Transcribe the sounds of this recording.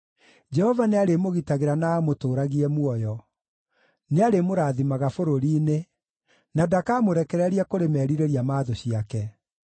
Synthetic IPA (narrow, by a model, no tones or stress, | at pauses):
d͡ʒɛhɔvaneaɾemoɣitaɣeɾanaːmotoːɾaɣiɛmwɔjɔ | neaɾemoɾaːðimaɣafoɾoɾiːne | nadakamoɾɛkɛɾɛɾiakoɾemɛɾiɾeɾiamaːðoɕiakɛ